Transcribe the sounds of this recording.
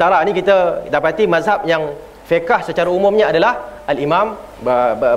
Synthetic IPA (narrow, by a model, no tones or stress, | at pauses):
t̪aɾanĩkit̪adapat̪imazɦap̚jaŋ | fekahsət͡ʃaɾaumʊ̃mɲaadalahalimãm | bəə